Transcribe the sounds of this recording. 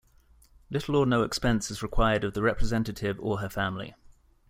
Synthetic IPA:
lɪtʰˡl̩ənəʊɛkspɛ̃nsɪzɹɪkʰw̥aɪədəvðəɹɛpʰɹɪzɛ̃ntətʰɪvəəfãmlḭ

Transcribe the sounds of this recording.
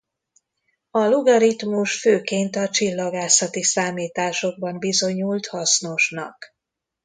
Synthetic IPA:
ɒluɡɒɾit̪muʃføːkeːnt̪ɒt͡ʃilːɒɡaːsɒt̪isaːmiːt̪aːʃo̞ɡ̚bɒmbizo̞ɲult̪hɒsno̞ʃnɒ̰k

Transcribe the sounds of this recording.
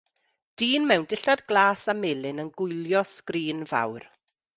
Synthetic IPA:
d̥iːnmɛwndɪɬadɡlˠaːsamɪːlˠɪnənɡʊjljɔskriːnva̰wr

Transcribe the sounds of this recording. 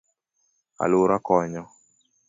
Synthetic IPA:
a̰lʊɾakɔɲɔ

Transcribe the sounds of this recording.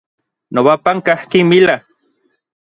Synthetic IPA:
noβapaŋkahkimila

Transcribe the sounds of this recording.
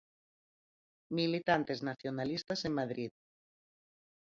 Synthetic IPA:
milit̪ant̪eznaθjonalist̪asemmaðɾið

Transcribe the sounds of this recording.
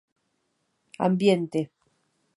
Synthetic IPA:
a̰mbjent̪e

